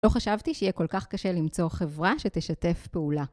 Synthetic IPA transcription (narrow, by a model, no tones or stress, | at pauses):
lo̞χaʃavt̪iʃeijɛko̞lkaχkɐʃelimt͡so̞χe̞vʁaʃeteʃat̪e̞fpeula